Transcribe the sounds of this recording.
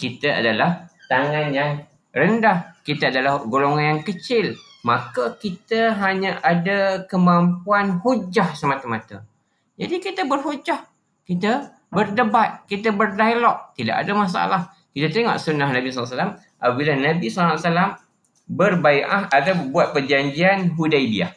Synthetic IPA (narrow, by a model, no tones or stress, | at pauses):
kit̪əa̰dalaht̪aŋanjaŋ | rəndahkit̪əadalahɡoloŋanjaŋkət͡ʃɪl | makəkit̪əɦaɲaʔadakəmampuanhud͡ʒahsəmat̪əmat̪ə̰ | d͡ʒadikit̪əbərɦud͡ʒah | kit̪ə | bərdəbat̪̚kit̪əbərdailɔʔ̚t̪ida̰ʔa̰damas̬a̰ʔa̰lah | kit̪at̪eŋɔ̰ʔsunahnabislsalam | ʔapabilahnabisalsalam | bərbajʔaɦat̪awbuat̪̚pərd͡ʒaɲd͡ʒianɦudajbia̰h